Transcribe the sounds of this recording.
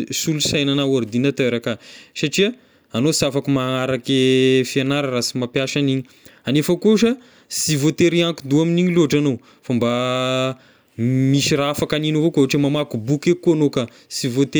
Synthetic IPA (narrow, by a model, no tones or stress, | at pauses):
sulusajnanaoɾd̪inat̪øɾakasaʈ͡ʂia | anosafakumaaɾakefianaɾarasimapjaʃaniɲi | anefakuuʃə | sivot̪eɾiaŋkud̪uaminiɲiloʈ͡ʂano | famba | miʃiɾaafakaninuvokooʈ͡ʂimamakubukekːoanoka | sivot̪e